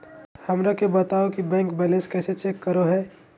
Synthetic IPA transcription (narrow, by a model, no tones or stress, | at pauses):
hɐmɾakebət̪aːokibɛ̃ːŋkbɛːlɛ̃nskɛːset͡ʃeːkːəɾoɦɛː